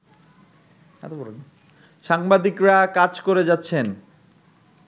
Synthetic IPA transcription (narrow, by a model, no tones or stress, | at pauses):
ɛ̰t̪ob | ʃaŋbad̪ikɾakad͡ʑkoɾed͡ʑatːɕʰen